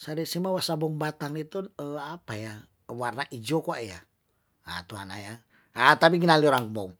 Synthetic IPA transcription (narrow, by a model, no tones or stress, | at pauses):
saɾɛsimawasabɔŋbat̪aŋit̪uəapaja | warnaʔid͡ʒokuaja | a̰t̪ua̰na̰ja | at̪ap̬iɡənalioɾaŋbɔŋ